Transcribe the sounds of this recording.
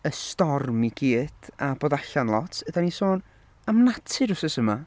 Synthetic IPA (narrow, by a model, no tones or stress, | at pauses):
əstɔrmiɡ̥iːd̥ab̥oːdaɬanlˠɔtʰədanisoːn | amnatʰɨɾʊsəsəma